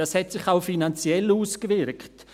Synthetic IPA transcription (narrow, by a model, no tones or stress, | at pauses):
ɑshɛtsɪχaʊfinant͡sjɛluːskvɪɾkt